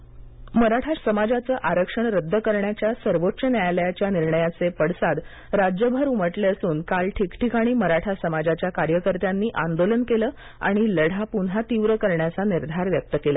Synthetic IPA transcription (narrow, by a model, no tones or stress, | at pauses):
məɾaʈʰasəmad͡zat͡səːʔaɾəkʂəɳɾəd̪ʱːəkəɾɳjat͡ɕjasəɾʋotːɕənjajljat͡ɕjaniɾɳəjat͡sepəɽ̤sad̪ | ɾad͡ʑjəbʱəɾuməʈleəsuːnkalʈʰikʈʰikaɽ̃iːməɾaʈʰasəmad͡ʑat͡ɕjakaɾjəkəɾt̪janːiːʔa̰nd̪olənkeləː | a̰ɽ̃iləɽ̤apunɦat̪iʋɾəkəɾɳjat͡saniɾd̪ʱaɾʋjək̚t̪əkela